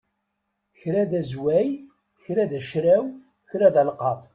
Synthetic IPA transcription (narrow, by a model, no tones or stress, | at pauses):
çɾæðæzwæj | çɾæðæʃɾæw | çɾæðælqɑðˤ